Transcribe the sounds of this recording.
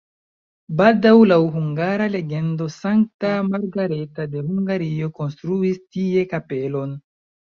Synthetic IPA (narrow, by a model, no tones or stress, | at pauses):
baldawlawɦuŋɡaɾale̞ɡe̞ndo̞saŋk̚tamaɾɡaɾetade̞huŋɡaɾio̞ko̞nstɾuistie̞kape̞lo̞n